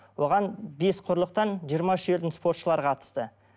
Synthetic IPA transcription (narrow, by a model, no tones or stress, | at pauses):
wo̞ʁɑnbesqʰʊɾlˠəq̚t̪ɑnʒijəɾmɑʏʃe̞ld̪ɪnspo̞ɾt̪ʃəlˠɑɾqʰɑt̪ə̥st̪ə